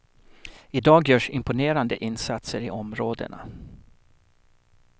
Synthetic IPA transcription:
ɪd̪ɑːɡjœːʂɪmpʊneːɾand̪əʔɪnsat̪səɾɪʔɔmɾoːd̪ə̰ɳa̰

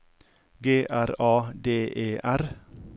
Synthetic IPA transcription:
ɡeːʔæɾɑːd̪eːʔeːʔæɾ

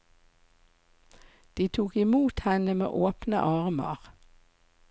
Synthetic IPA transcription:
d̪̥iːt̪ʰuːkɪmuːt̪hɛnəmḛːʔoːpnə̰ʔɑʁmɑ̰ʁ

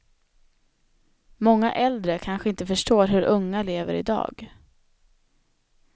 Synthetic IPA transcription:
mɔŋːa̰ʔɛld̪ɾəkʰanɧəɪnt̪əfœʂʈoːɾɦɵɾʔɵŋːaleːvə̰ɾɪ̰d̪ɑ̰ːɡ

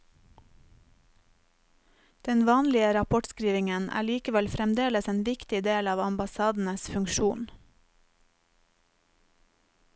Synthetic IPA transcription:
d̪̥ɛnʋɑːnlɪəɾɑpʰɔʈskɾiːʋɪŋənʔæ̰ːɭiːkəʋɛlfɾɛmd̪eːləseːnʋɪkt̪ɪd̪eːlɑːʋɑmbɑsɑːd̪n̩əsfʉŋʃuːn

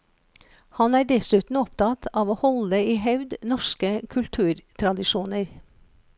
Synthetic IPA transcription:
hɑnæːɖɛsʉːt̪n̩ɔpt̪ʰɑt̪ʰɑːʋoːhɔləiːhɑʉd̪nɔʃkəkʰʉlt̪ʰʉːɾt̪ʰɾɑd̪ɪʃuːnəɾ

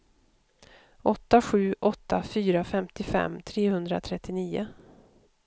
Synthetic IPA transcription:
ʔɔt̪ːaɧʉ̟ːʔɔt̪ːafyːɾafɛmt̪ɪfɛ̰mːt̪ʰɾeːhɵnd̪ɾa̰t̪ʰɾɛt̪ːɪniːʊ

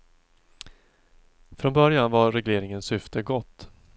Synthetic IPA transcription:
fɾɔnbœɾjanvaɾɛɡleːɾɪŋənsʏft̪ʰəɡɔt̪ː

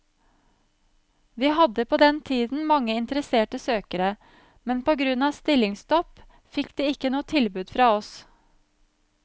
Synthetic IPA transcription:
ʋiːɦɑd̪əpʰoːd̪ɛnt̪ʰiːd̪n̩mɑŋːəɪnt̪əɾəseːʈəsøːkəɾə | mɛnpoːɡɾʉnɑːʋst̪ɪlɪŋst̪ɔp | fɪkd̪̥eːɪkːənuːət̪ʰɪlbʉːd̪fɾɑːɔs

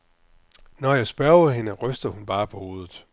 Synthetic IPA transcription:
nɒjɑ̈ɪsb̥ɶɐð̩ɦe̝nəʁœsd̥ðˠhunb̥ɑ̈ːpʰɒ̽ho̝ːð̞ˠð̩ˠ

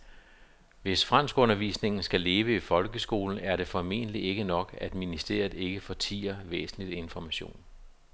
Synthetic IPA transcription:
ʋe̝sfʁan̰sɡ̥ɔ̽nɐʋḭːsne̝ŋn̩sɡ̥æle̝ːʋəifɒ̽lɡ̥əsɡ̥o̝ːln̩æɐɾe̝fɒ̽me̝̰ːnliʔe̝ɡ̥ənɒ̽ɡ̥æd̥minisd̥e̝̰ɐ̰ð̩ˠe̝ɡ̥əfɒ̽t͡sʰḭːɐʋḛːsn̩lid̥e̝nfɒmæɕo̝̰ːn

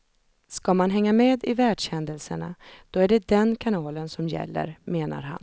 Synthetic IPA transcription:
skamanɦɛŋːameːd̪ɪvæːɖʂɛnd̪əlsəɳa̰d̪̥ɔæɖɛd̪ɛnkʰanɑːlənsɔmjɛ̰lːə̰ɾmeːna̰ɾɦa̰n

